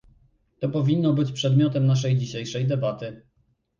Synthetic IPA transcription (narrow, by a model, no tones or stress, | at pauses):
t̪ɔpɔvʲinːɔbɘt͡ɕpʂɛd̪mʲjɔt̪ɛmnaʂ̬ɛjd͡ʑiɕejʂɛjd̪ɛbat̪ɘ